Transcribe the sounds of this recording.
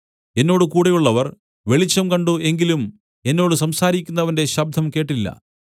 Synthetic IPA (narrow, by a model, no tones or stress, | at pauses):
e̞nːo̞ːɽɨkuːɽɐjuɭːɐʋɐr | ʋe̞ɭit͡ɕːɐmkɐɳɖue̞ŋɡilum | e̞nːo̞ːɽɨsɐmsaːɾikʲːunːɐʋɐnde̞ɕɐb̚d̪ʱːɐmke̞ːʈːilːɐ̰